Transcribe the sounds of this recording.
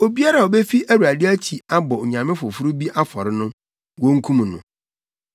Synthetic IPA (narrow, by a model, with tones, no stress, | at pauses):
o˨bi˦a˦ɾa˨ɔ˨be˦fi˦ʔæ˦wu˨a˨dɪ˦æ˦t͡ɕʰi˨a˦bɔ˨ɲã˨mɪ̃˦fʊ˨fʊ˦ɾʊ˦bi˦ʔa˦fɔ˨ɾɪ˦nʊ̃˦ | wõ˦ŋ̩˦kʰũ˦mũ˨nʊ̰̃˨